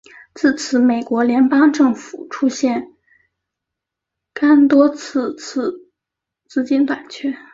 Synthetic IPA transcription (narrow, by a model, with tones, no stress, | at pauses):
t͡sɹ̩˥˩t͡sʰɹ̩˧˥me˨˩ɪkwɔ˧˥ljɛ˧˥npɑ˥ŋʈ͡ʂɤ˥˩ŋfu˨˩ʈ͡ʂʰu˥ɕjɛ˥˩n | ka˥nt̪wɔ˥t͡s̩ʰ˥˧t͡s̩ʰ˥˧˩ | t͡sɹ̩˥˩t͡ɕi˥nt̪wa˨˩nt͡ɕʰɥɛ˥